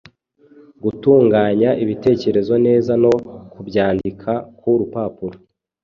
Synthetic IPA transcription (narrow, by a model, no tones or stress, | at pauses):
ɡutuːŋɡaːɲaʔiβite̞ːce̞ɾe̞zo̞ne̞ːzano̞kubɟaːndikʰakuɾupaːpuɾo